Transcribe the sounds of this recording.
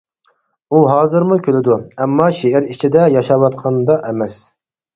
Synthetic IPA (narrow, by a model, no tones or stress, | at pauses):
uɦɑːzɨɾmukʲʰølɪd̪uɛmːɑʃeɪɾit͡ʃʰid̪ɛjɑʃɑwɑt̪̚qʰɑnd̪ɑʔɛmɛs